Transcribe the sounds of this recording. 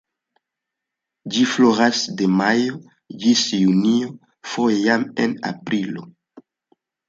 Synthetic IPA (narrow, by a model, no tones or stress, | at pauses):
d͡ʒifloɾasde̞majo̞ | d͡ʒisjunio̞ | fo̞jejamḛna̰pɾilo̞̰